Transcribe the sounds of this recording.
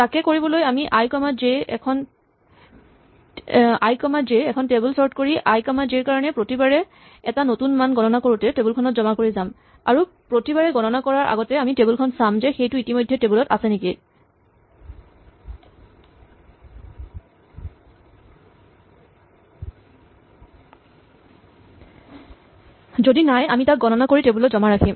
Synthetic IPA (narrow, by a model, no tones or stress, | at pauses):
takɛkoɹibɔlojamiʔajkɔmazeɛ̰kʰɔn | ajkɔmazeɛkʰɔntebulsɔɹtkoɹiʔajkɔmazeɹkaɹɔnɛpɹotibaɹɛ | ɛtanotunmanɡɔnɔnakoɹutɛtebulkʰɔnɔtzɔmakoɹizam | a̰ɹu | pɹotibaɹɛɡɔnɔnakɔɹaɹʔa̰ɡɔtɛamitebulkʰɔnsamzɛxejtʊitimojdʱːɛtebulɔta̰sɛneki | zodinajamitak̚ɡɔnɔnakoɹitebulɔtzɔmaɹakʰim